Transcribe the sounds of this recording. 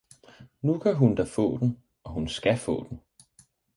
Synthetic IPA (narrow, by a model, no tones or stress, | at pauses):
nukʰæɦund̥æfɔ̰̽ːd̥en̩ | ɒ̽ɦunsɡ̥æfɔ̰̽ːd̥en̩